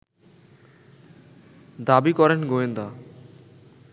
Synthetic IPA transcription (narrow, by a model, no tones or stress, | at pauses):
d̪abikɔɾenɡoend̪a